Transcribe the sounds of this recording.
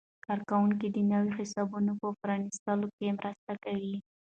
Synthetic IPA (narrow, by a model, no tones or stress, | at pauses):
kɑɾkawuŋk̬id̪ənawixɪsɑbunopəfɾɑnist̪əlokemɾʔəst̪akawi